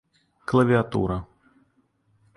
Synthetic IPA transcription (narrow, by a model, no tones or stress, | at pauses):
klˠɐvʲiat̪ṵɾɐ